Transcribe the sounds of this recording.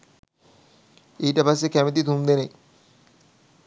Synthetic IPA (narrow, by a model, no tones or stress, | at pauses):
ejʈapas̬ekɛmet̪̬it̪ʰumd̪enej